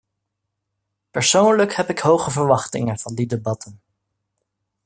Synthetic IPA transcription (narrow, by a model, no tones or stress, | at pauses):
pəɹsownləkhɛpɪkɦowχəvəɹʋɑχtɪ̰ŋənv̥ɑndidebɑtən